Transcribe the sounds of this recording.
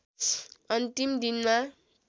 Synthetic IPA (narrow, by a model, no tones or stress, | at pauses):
ʌnt̪imd̪inma